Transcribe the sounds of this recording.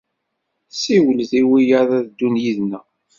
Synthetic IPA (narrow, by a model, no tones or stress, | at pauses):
siwəlðiwijaðæðd̪ːunjiðnæ